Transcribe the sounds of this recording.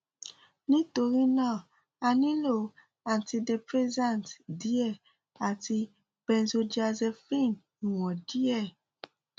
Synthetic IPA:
nĩ˦to˨ɾi˦na˦˨ | a˨ni˦lo˨ | a˨nti˨de˨pɾɛ˦zã˦˨ntdi˦ɛ˦˨ | a˨ti˨ | b̥ɛ̃˨nzo˨d͡ʒa˨zɛ˨fi˦˨n˨ | wɔ̃˨di˦ɛ˦˨

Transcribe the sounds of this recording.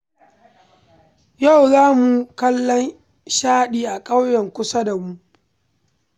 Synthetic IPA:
ja˦˨wzaː˦mu˨kɐ˦lːɔ˦n | ʃaː˦ɗiː˨ʔa˨kʼa˦wjɛ˨ŋkʷʊ˦sa˦da˨mu˦

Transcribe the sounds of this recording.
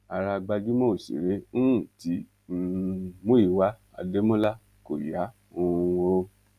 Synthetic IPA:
a˨ɾa˧ɡ͡ba˧d͡ʒu˨˦mɔ̃˦o˨sḭ˨ɾe˨˦nũ˦˨ti˨˦ | mõ˦i˦˨wa˨˦ | a̰˨de˨˦mɔ̃˦la˦ | ko˨ja˨˦ | õ˧wo˧

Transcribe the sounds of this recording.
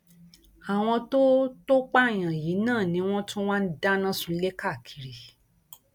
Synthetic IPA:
a˨w̃ɔ̃˧to˦to˦k͡pa˦˨j̃ã˨ji˨˦nãː˦˨nĩ˧˦w̃ɔ̃˦tu˦w̃ã˦n̩˦da˦nã˦su˨˧le˦ka˦˨kʰi̥˨ɾi˨

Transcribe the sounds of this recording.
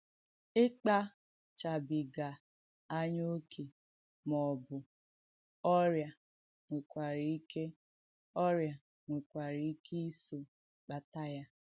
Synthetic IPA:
ɪ˦k͡pa˦ | t͡ʃa˨bɪ˨ɡa˨ | a˦ɲo˦kʰe˨ | mɔ˨bʊ˨ | ɔ˦ɾja˨ | ŋʷe˨kʷa˨ɾi˨˦i˦ke˦ | ɔ˦ɾja˨ | ŋʷʊ˨kʷa˨ɾi˨˦i˦ke˦i˦so˨ | k͡pa˨ta˦ja˦

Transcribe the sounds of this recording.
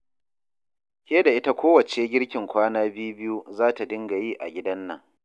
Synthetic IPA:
kʲeː˦da˨ʔɪ˦ta˦kʷoː˦wɐ˨t͡ʃeː˦ɡʲɪ˦ɽkʲɪ˨ŋkʷaː˦naː˦bɪ˦ju˦bɪ˦ju˦zaː˦ta˨dɪ˦ŋɡa˨jiː˦ʔa̰˨ɡʲɪ˦dɐ˦nːɐ˦˨ŋ

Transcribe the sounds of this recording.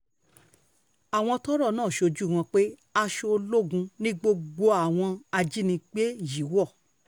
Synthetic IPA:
a˨w̃ɔ̃˧tɔ˦ɾɔ˦˨nãː˦˨ʃo˧d͡ʒu˦˨w̃ɔ̃˧k͡pe˦a˧ʃo˧o˧lo˦ɡũ˧nĩ˦ɡ͡bo˧ɡ͡bo˧a˨w̃ɔ̃˧a˧d͡ʒi˦nĩ˧k͡pe˦ji˨˦wɔ˦˨

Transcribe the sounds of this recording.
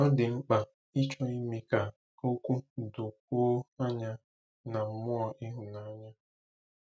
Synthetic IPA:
ɔ˦dɪ˨ŋ͡m̩˦k͡pa˨ | i˦t͡ʃɔ˦i˦mi˦ka˨ | o˦kʷu˦˨do˨koː˦a˦ɲa˦ | na˨m̩˨˦mʊ˦a˨ʔɪ˦ɦʊ˨na˨˦a˦ɲa˦

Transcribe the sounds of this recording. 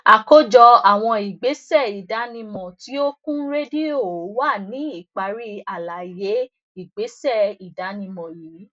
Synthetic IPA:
a˨ko˦d͡ʒɔ˧a˨w̃ɔ̃˧i˨ɡ͡be˨˦sɛ˦˨i˨da˨˦nĩ˧mɔ̃˨ti˦o˦kũ˦ɾe˦di˦o˦˨˦wa˦˨nĩ˨˦i˦˨k͡pa˧ɾi˦a˨la˨˦je˨˦ | i˦˨ɡ͡be˨˦sɛ˦˨i˨da˨˦nĩ˧mɔ̃˨ji˨˦

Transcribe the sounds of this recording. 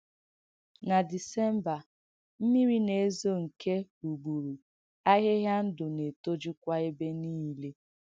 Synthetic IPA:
na˨di˨se˦m˦ba˨ | m̩˦mi˦ɾi˦ne˨e˦zo˦ŋ̩˨ke˦u˨ɡ͡bu˨ɾu˨ | a˦ɦe˦ɦja˦n̩˦dʊ˨ne˨to˦d͡ʒu˦kʷa˦e˦be˦niː˦le˦

